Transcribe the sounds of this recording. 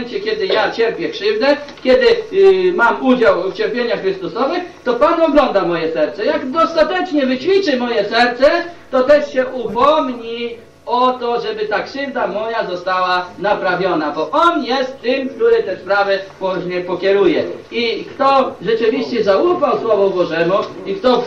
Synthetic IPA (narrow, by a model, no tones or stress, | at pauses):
ɛnt͡ɕɛkʲɛd̪ɘjat͡ɕɛɾpʲjɛkʂɘvd̪ɛkʲɛd̪ɘmamud͡ʑawft͡ɕɛɾpʲjeɲaxːɾɘst̪usɔvɘxt̪ɔpanɔɡlɔnd̪amɔjɛsɛɾt̪sɛjaɡd̪ɔst̪at̪ɛt͡ʂɲɛvɘt͡ɕfʲit͡ʂɘmɔjɛsɛɾt̪sɛt̪ɔt̪ɛʂɕɛʔupɔmɲi | ɔt̪ɔʐɛbɘt̪akʂɘvd̪amɔjazɔst̪awanapɾavʲjɔnabɔʔɔnjɛst̪ːɘmkt̪uɾɘt̪ɛspɾavɘpɔʑɲɛpɔkʲɛɾujɛikt̪ɔʐɛt͡ʂɘvʲiɕt͡ɕɛzaufawswɔvɔbɔʐɛmuikt̪ɔ